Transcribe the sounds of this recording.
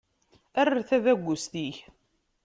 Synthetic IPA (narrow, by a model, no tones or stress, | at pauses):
æraθæðæɡʷːʊst̪iç